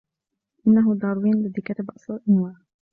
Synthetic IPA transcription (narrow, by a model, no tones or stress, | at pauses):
ʔɪnːaɦʊd̪ˤɑɾˤwiːnlɪd̪ikat̪abʔɑsˤlɑlʔɪnwaː